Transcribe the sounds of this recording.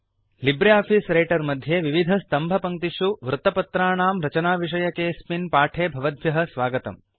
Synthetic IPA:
libɾejaːpʰisɾejʈɐɾmɐd̪ʱjeʋiʋid̪ʱɐst̪ɐmbʱɐpɐŋt̪iʂuʋɾut̪ɐpɐt̪ɾaːɳaːmɾɐt͡ʃɐnaːʋiʂ̬ɐjɐkeːspinpaːʈʰeːbʱɐʋɐd̪ʋjɐɦɐ̆sʋaːɡɐt̪ɐ̰m

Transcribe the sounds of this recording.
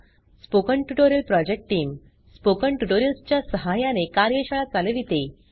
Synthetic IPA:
spokəɳʈuʈoɾjəlpɾɔd͡ʑek̚ʈʈiːm | spokəɳʈuʈoɾjəlst͡ɕjasəɦajãnekaɾjəɕaɭat͡saleʋit̪e

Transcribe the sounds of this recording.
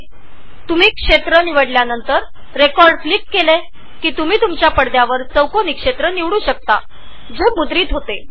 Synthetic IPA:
t̪um̤iːkʂet̪ɾəniʋəɽljanənt̪əɾː | ekɔɾɖflikːele | kiːt̪um̤iːt̪umt͡ɕjapəɽd̪jaʋəɾt͡səwkonikʂet̪ɾəniʋɽuːɕək̚t̪a̰ | d͡ʑemud̪ɾiːt̪ɦot̪e

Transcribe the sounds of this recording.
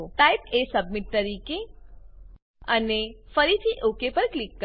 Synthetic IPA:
oʈaipesəb̚miʈ̚t̪əɾike | ənefəɾit̪ʰiʔokepəɾklikːə

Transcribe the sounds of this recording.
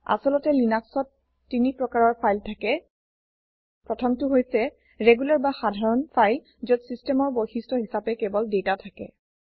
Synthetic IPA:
a̰sɔlɔtɛlinaksɔtː | inipɹɔkaɹɔɹpʰajltʰakɛ | pɹɔtʰɔmtʊɦojsɛ | ɹeɡulaɹbaxadʱaɹɔnpʰajl | zɔtsistɛmɔɹbojxistɔɦisapɛkɛbɔldetatʰakɛ̰

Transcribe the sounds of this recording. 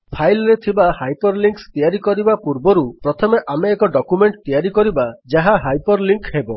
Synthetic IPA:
pʰajlɾet̪ʰibahajpɔɾliŋkst̪ijaɾikɔɾibapuɾbɔɾupɾɔt̪ʰɔmeʔameːkɔɖɔkumeɳʈ̚t̪ijaɾikɔɾibad͡ʒaɦaɦajpɔɾliŋkɦebɔ

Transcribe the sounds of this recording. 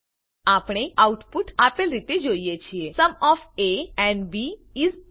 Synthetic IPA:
apɽ̃eauʈpuʈapelɾit̪ed͡ʒoijet͡ʃʰiesəmɔfeɛ̃ɳɖbiiz

